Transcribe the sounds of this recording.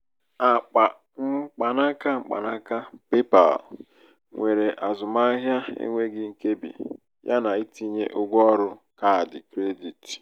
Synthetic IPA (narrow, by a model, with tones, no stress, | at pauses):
a˨k͡pa˨ | ŋ͡m̩˦k͡pa˨na˦ka˦ŋ͡m̩˦k͡pa̰˨na˦ka˦pe˦pa̰˨l | ŋʷe˨ɾe˨ʔa˨zʊ˨ma˦ɦja˦ḛ˦ŋʷe˦ɡɪ˦ŋ̩˨ke˦bḭ˨ | ja̰˦na˨i˦ti˦ɲe˦ʔʊ˦ɡʷɔ˦ɔ˦ɾʊ˦ka˨a˨dɪ˨kɾe˦di˨ti̥˨